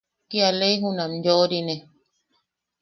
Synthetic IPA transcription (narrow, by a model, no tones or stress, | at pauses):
kialeiɦũnãmd͡ʒoɾinẽ